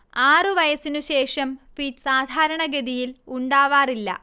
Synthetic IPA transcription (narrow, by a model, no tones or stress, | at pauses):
aːrɨʋɐjɐsinuɕe̞ːʂɐmfitsaːd̪ʱaːɾɐɳɐɡeðijiluɳɖaːʋaːrilːɐ̰